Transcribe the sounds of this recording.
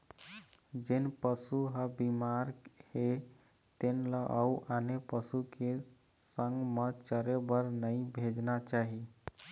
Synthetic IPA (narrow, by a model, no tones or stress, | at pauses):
d͡ʒenpəsuɦəbimaɾhe | t̪enləʔauʔanepəsuke | səŋɡmət͡ʃəɾebəɾnəĩbʱed͡ʒnat͡ʃaɦi